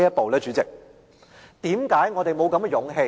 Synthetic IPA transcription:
jɐ˥t̚po˨wlɛː˥t͡ʃyː˨˥t͡sɪ˨k̚ | t̪iː˨˥mkaː˨˥jŋɔː˨˧t̪e˨˩jmo˨˧wkɐ˨˥mkɛ˨˧jʊ˨˥ŋɦe˧

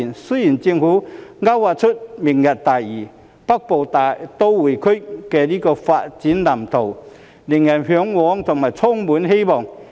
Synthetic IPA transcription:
nsø˥ji˨˩nt͡si˧ŋhuː˨˥ŋa˥wwaː˨˩t͡sʰʊ˥t̚mi˨˩ŋjɐ˨˩t̚t̪aː˨˩jiː˨˩ | pɐ˥k̚po˨˩wt̪a˨t̪o˥wwuː˨˩jkʰɵ˥kɛː˧liː˥kɔː˧faː˧t̚t͡siː˨˥nna˨˩mt̪ʰo˨˩w | ni˨˩ŋjɐ˨˩nɦœː˨˥ŋwɔː˨˥ŋt̪ʰʊ˨˩ŋmaː˨˩jt͡sʰɔ˥ŋmuː˨˥nɦe˥jmɔː˨˩ŋ

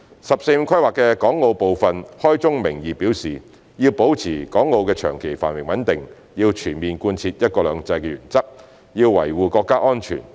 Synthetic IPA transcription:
sɐ˨p̚se˧m̩˧kʷʰɐ˥jwaː˨kːɛː˧kɔː˨˥ŋːo˧wpo˨wfɐ˨nhɔː˥jt͡sʊ˥ŋmɪ˨˩ŋjiː˨piː˨˥wsiː˨ | jiː˧wpo˨˥wt͡sʰiː˨˩kɔː˨˥ŋːo˧wkɛː˧t͡ʃʰœ̰ː˨˩ŋkʰe˨˩jfa̰ː˨˩nwɪ˨˩ŋwɐ˨˥nt̪ɪ˨ŋ | jiː˧wt͡ʃʰyː˨˩nmiː˨nkuː˧nt͡sʰiː˧t̚jɐ˥t̚kɔː˧lœː˨˧ŋt͡sɐ˧jkɛː˧jyː˨˩nt͡sɐ˥k̚ | jiː˧wwɐ̰˨˩jwuː˨˧kɔː˧kːaː˥ʔɔː˥nt͡ʃʰy̰˨˩n

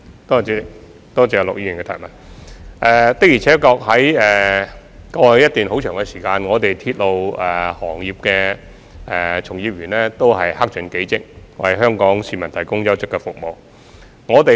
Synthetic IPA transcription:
t̪ɔː˥i˨˥ | t̪ɔː˥t͡siː˨˥jɐ˧lʊ̰˨k̚jiː˧ji˨˩ŋkɛ˧t̪ʰɐ̰ː˨˩mɐ˨˩nʔɛː˨˩t̪ɪ˥k̚jiː˨˩t͡sʰɛː˨˥kɔː˧k̚ɦhɐ˨˥jɛː˨˩ | kɔː˧˨˧jɐ˥t̪̚yː˨nho˨˥wt͡ʃʰœː˨˩ŋkɛ˧siː˨˩kaː˧nŋɔː˨˧t̪e˨jt̪ʰiː˧t̚lo˧wɛ˨˩hɔː˨˩ŋjiː˨p̚kɛ˧ | ɛː˨t͡sʰʊ˨˩ŋjiː˧p̚jyː˨˩nlɛː˥t̪o˥wɦɐ˨jha˥k̚t͡ʃɵ˨˥nke˨˥jt͡sɪ˥k̚wɐ̰˨˩jɦœː˥ŋkɔː˨˥ŋsiː˧mɐ˨˩nt̪ʰɐ˨˩jkʊ˥ŋjɐ˥wt͡sɪ˥kːɛ˧fʊ˨k̚mo˨w | ŋɔː˨˧t̪e˨

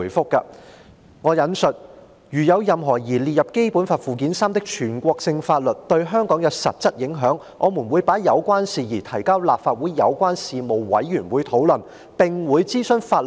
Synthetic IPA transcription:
jfʊ˥kːɐ̰˧ | ŋɔː˨˧jɐ˨˥nsɵ˨t̚ | jyː˨˩jɐ˨˧wjɐ˨mɦɔː˨˩jiː˨˩liː˨t̚jɐ˨p̚ke˥jpuː˨˥nfaː˧t̚fuː˨k̬iː˨˥nsaː˥mt̪ɪ˥k̚t͡ʃʰyː˨˩nkʷɔː˧k̚sɪ˧ŋfaː˧t̚lɵ˨˩t̚t̪ɵ˧ɥɦœː˥ŋkɔː˨˥ŋjɐ˨˧wsɐ˨p̚t͡sɐ˥t̚jɪ˨˥ŋɦœː˨˥ŋ | ʔɔ̰ː˨˧mu˨˩nwuː˨˧jpaː˨˥jɐ˨˧wkʷaː˥nsiː˨jiː˨˩t̪ʰɐ˨˩jkaː˥wlaː˨p̚faː˧t̚wuː˨˧˥jːɐ̰˨˧wkʷaː˥nsiː˨mo˨wwɐ̰˨˥jːyː˨˩nwuː˨˧jt̪ʰo˨˥wlɵ˨˩n | pɪ˨ŋwuː˨˧jt͡siː˥sɵ˥ŋfaː˧t̚l

